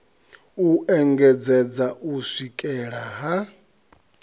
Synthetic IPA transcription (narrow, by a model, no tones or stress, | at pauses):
uʔɛŋɡɛd͡zɛd͡zaʔusʷikʼɛɺaɦa